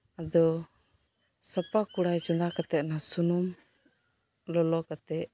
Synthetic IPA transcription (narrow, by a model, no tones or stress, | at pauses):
ad̪ɔ | sapakuɽajt͡ʃunakat̪ɛʔ̪̚nasunum | lɔlɔkat̪ɛʔ̚